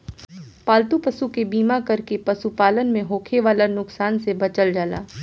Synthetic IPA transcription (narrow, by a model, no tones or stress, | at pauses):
paːlt̪upɐsukebiːmakɐɾkepɐsupaːlənmẽɦoːkʰeʋaːlanʊksaːnsebɐt͡ʃəld͡ʒaːla̰ː